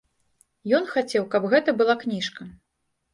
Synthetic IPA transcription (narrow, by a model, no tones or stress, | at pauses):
jɔnxat͡sʲɛwkɐbɣɛt̪ɐbɨlˠaknʲiʂkɐ